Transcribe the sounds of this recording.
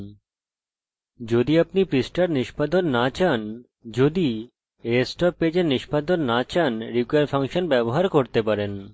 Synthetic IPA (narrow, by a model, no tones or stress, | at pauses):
d͡ʑod̪iapnipɾisʈaɾniʃbad̪onːat͡ɕan | d͡ʑod̪i | esʈɔpːed͡ʑeɾniʃbad̪onːat͡ɕanɾikaɾpʰaŋʃonbɛboɦaɾkoɾt̪epaɾen